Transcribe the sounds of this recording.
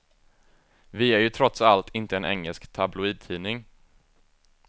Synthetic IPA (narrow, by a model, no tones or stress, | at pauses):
vɪæɾjɵt̪ʰɾɔt̪salt̪ʰɪnt̪əɛnʔɛ̰ŋːəlskt̪ʰablʊiːd̪̚t̪ʰiːnɪŋ